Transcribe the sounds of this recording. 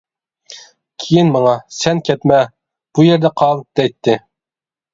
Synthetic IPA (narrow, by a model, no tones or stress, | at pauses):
kʲʰijinmɤŋɑsɛnkʲʰɛt̪mɛ | b̥ujɛɾd̪ɛqʰɑlˠd̪̥ɛjt̪ʰːɪ